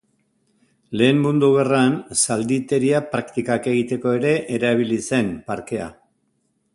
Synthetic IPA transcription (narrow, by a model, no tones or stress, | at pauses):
le̞ːmmund̪uɣeransald̪it̪e̞ɾiapɾakt̪ikake̞ɣ̞it̪e̞ko̞e̞ɾe̞ʔeɾaβ̞ilise̞npaɾke̞a̰